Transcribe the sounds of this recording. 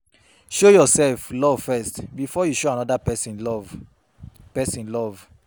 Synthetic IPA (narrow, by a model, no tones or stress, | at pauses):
ʃojɔsɛlflɔvfɛstbifɔjuʃoanɔdapɛsĩnlɔv | pɛsĩnlɔv